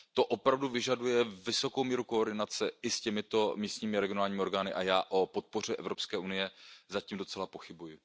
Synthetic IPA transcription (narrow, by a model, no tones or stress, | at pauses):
t̪o̞ʔopɾavduvɪʒadujɛvɪso̞kowmiːɾuko̞ːɾdɪnat͡sɛʔɪscɛmɪt̪o̞miːst̪ɲiːmɪɾɛɡɪo̞naːlɲiːmɪoɾɡaːnɪʔajaːʔo̞po̞t̪̚po̞r̝ɛʔɛ̰vɾo̞pskɛːʔunɪjɛzaciːmdo̞t͡sɛlapo̞xɪbujɪ